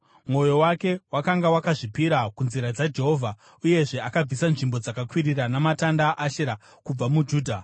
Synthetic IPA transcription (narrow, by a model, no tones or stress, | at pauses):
mwo̞jo̞wake̞wakaŋɡawakaʐipiɾakunziɾad͡zad͡ʒe̞ɦo̞ːvʱa | uje̞ʐe̞akab͡visanʐimbo̞d͡zakakwiriranamatandaʔːʃeɾa | kub͡vamud͡ʒuːdʱa